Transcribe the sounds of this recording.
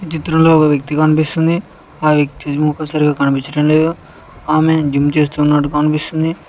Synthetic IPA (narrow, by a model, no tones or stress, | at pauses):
t͡ʃit̪ɾɐmlo̞ːkɐʋjɐk̚t̪ikɐnipist̪und̪i | aːʋjɐk̚t̪iɔkɐsaːɾiɡaːkɐnipiɲt͡ʃːɐʈɐmle̞ːd̪u | aːme̞d͡ʒimt͡ʃe̞ːst̪uːnːɐʈukɐnipist̪und̪i